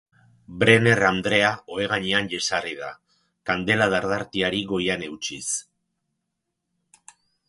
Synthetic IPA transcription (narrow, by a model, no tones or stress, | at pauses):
bɾe̞ne̞rand̪ɾe̞aʔo̞e̞ɣ̞aɲeanʎesariða̰ | kand̪e̞laðaɾðaɾt̪iaɾiɣo̞jane̞wt͡ʃis